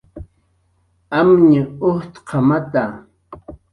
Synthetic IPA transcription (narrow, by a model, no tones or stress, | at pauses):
amɲɪʊht̪qʰɑmat̪a